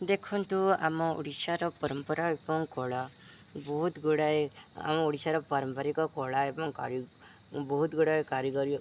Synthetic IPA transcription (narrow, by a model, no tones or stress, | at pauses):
d̪ekʰɔnt̪ua̰mɔṵɽisaɾɔpɔɾɔmpɔɾaepɔŋkɔɭa | bɔɦut̪ɡuɽaja̰mɔuɽisaɾɔpɔɾɔmpɔɾikɔkɔɭaepɔŋka̰ɾ | bɔɦut̪ɡuɽajkaɾiɡɔɾi